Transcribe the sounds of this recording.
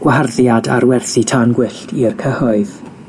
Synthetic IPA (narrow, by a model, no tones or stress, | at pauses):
ɡ̥waɦarðjada̰ɾwɛrθitʰanɡwɪɬtʰirkʰəhɔɨð